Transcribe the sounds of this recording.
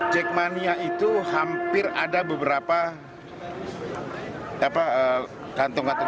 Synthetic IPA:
t͡ʃɛk̚maniait̪uhampɪra̰dabəbəɾapa | apaə | kant̪ɔŋkant̪ɔ

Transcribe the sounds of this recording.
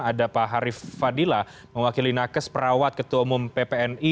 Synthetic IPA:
adapaɦaɾifːadila | məwakilinakəspəɾawat̪̚kət̪uaumʊmpepeɛni

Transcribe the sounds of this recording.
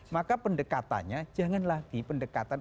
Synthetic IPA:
makapəndəkat̪a̰nɲḁd͡ʒ̥a̤ŋanlahɡ̪̥i̤pəndəkat̪an

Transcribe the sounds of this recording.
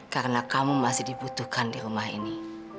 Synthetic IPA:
kaɾənakamumasɪhdibut̪uhkandiɾumaɦḭni

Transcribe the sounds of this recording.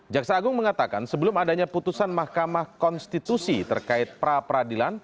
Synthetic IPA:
d͡ʒaksaːɡʊŋməŋat̪aka̰nsəbəlʊmadaɲaput̪usanmahkamahkɔnst̪it̪usit̪ə̰rkaɪt̪̚pəɾapəɾadilan

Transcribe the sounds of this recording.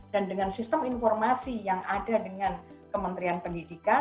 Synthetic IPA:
d̥andəŋansist̪əminfɔrmasijaŋadadəŋan | kəmənt̪ɾianpəndidika

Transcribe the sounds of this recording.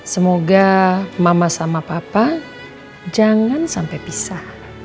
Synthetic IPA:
səmoɡamamasamapapa | d͡ʒaŋansampajpisah

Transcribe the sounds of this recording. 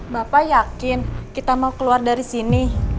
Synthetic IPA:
bapajakɪnkit̪amaukəluardaɾisini

